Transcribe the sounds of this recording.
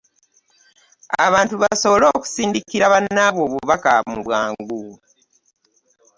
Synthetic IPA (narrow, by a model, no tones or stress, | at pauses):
aβaːntuβaso̞βolo̞ːku̥siːndikiɾaβanːaβwo̞ːβuβaka̰muβwaːŋɡu